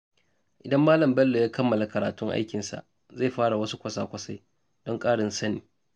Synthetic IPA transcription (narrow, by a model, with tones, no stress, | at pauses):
ʔɪ˨dɐ˦mːaː˦lɐ˨mbɛ˦lːo˨jaː˦kɐ˦mːɐ˨la˨kɐ˨ɾaː˨tʊ˦ŋʔa̰˦jkʲɪ˨nsa̰˨ʔ | za˦˨ɸaː˦ɽa˨wɐ˦su˦kʷɐ˦˨saː˨kʷɐ˨sa˦j | d̥ɔ˦ŋkʼaː˦ɽɪ˨nsɐ˦niː˨